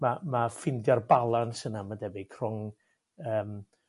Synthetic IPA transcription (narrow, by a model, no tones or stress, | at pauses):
mamafɪndjarbalˠansənamadɛbɪkʰrɔŋ | əːm